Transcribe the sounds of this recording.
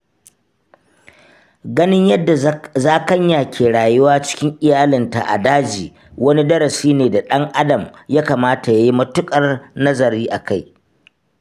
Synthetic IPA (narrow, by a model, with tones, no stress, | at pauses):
ɡɐ˦nɪ˦ɲjɐ˦dːa˨zaː˦kɐ˦ɲja˨kʰʲeː˨ɽaː˨jʊ˦waː˦t͡ʃɪ̥˦kʲɪ˦ŋʔɪ˨jaː˦lɪ˨nta̰˨ʔa̰˨daː˦d͡ʒiː˨ | wɐ˦ni˦dɐ˦ɾɐ˨siː˦neː˨da˨ɗɐ˦ŋʔa˦dɐ˨mjaː˦kaː˨maː˦ta˨ja˦ji˦mɐ˦tʊ˦kʼɐ˨rnɐ˦zɐ˨ɾiː˦ʔa˨ka˦j